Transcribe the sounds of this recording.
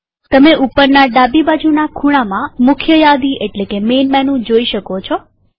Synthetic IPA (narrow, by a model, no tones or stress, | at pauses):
t̪əmeupəɾnaɖabibad͡ʒunakʰuɽ̃amãmʊkʰjəjad̪iʔeʈlekemenmɛnũd͡ʒoiʃəkot͡ʃʰo